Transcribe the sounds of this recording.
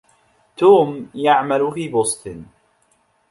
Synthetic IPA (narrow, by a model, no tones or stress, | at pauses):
t̪uːmjaʕmalfiːbʊsˤt̪ɨn